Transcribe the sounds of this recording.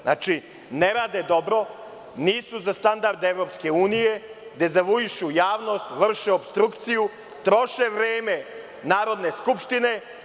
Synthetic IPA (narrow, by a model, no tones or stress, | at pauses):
na̰t͡ʃi | neɾaːd̪ed̪o̞bɾo̞ | niːsuzast̪and̪aɾd̪eʋɾo̞pske̞uːnije̞d̪e̞zaʋuiʃujaːʋno̞st̪ʋr̩ʃeobst̪ɾukt̪siju | t̪ɾo̞ʃeʋɾeːme | naːɾo̞d̪ne̞skupʃt̪ine̞